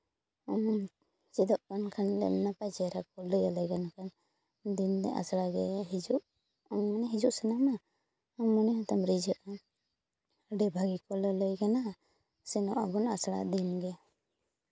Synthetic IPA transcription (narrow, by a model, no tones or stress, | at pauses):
t͡ʃid̪ɔʔkankʰanlɛ̰mnapad͡ʒɛɾakɔləjalɛɡanakʰan | d̪ind̪ɛʔa̰sɽaɡɛɦid͡ʒuʔ | manɛɦid͡ʒuʔsɛnama | mɔnɛhat̪amɾid͡ʒəʔa | ɖɛbʱaɡikɔlɔləjkana | sɛnɔʔabɔna̰sɽa̰d̪inɡɛ